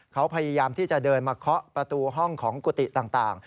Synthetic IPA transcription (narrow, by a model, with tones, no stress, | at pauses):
kʰa˦˥wpʰa˧jaː˧jaː˧mt̪ʰiː˥˩t͡ɕa˨˩dɤː˧nmaː˧kʰɾɔ˦˥ʔpɾa˧t̪uː˧ɦɔ˥˩ŋkʰɔː˩˦ŋku˨˩t̪i˨˩t̪aː˨˩ŋt̪aː˨˩ŋ